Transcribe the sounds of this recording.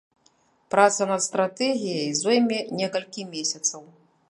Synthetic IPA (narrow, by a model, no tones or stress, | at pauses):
pɾat̪sɐnɐt̪st̪ɾat̪ɛɣʲijɐjzɔjmʲɛnʲɛkɐlʲkʲimʲesʲɐt̪sɐw